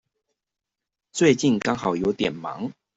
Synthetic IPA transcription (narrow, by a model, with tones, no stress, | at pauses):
t͡swe˥˧ɪt͡ɕi˥˨nkɑ˥ŋhɑ˨˩ʊjo˧˦ʊt̪jɛ˨˩nmɑ̰˨˦ŋ